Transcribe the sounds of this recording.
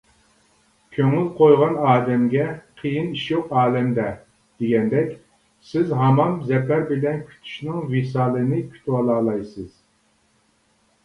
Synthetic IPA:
kʲʰøŋylqʰojʁɑnɑːd̪ɛmɡʲɛqʰəjiniʃjoqɑːlɛmd̪ɛ | d̪̥eɡʲɛnd̪ɛkʲ | sɪzɦɑmɑmzɛpæɾbɪlɛnkʲʰy̥t̪ʰy̥ʃnɪŋvesɑːlˠɨnɨkʲʰy̥t̪ʰwɑlˠɑːlˠɑjsɨz̥

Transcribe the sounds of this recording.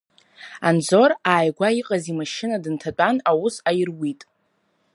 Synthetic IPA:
and͡zo̞ɾaːjɡʷaiqʼazimaʃɪnadɨntʰat͡pʷʼanawusajɪrwitʼ

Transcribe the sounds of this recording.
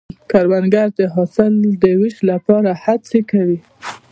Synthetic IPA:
kaɾwanɡaɾd̪əɦɑsɪld̪əwiʃlapɑɾahat͡sekawi

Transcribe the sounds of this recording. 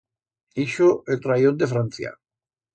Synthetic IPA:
iʃoet̪ɾajond̪efɾan̟θja̰

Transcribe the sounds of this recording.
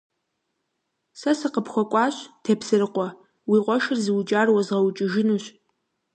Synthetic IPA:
sɐsɨqəpxʷɔkʷʼɑːɕtʰeːpsɨrɨqʷɔ | wiːqʷɔʃɪrzɨwd͡ʒʼaːrwɐzʁɐwt͡ʃʼɪʒɪnuɕ

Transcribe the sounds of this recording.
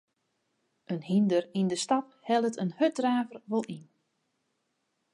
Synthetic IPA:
ʔənhindərindəstɑp̚hɛlˠətənhødraːvərʋolˠin

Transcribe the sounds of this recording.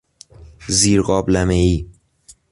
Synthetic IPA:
ziːɾɢɒːblæmeiː

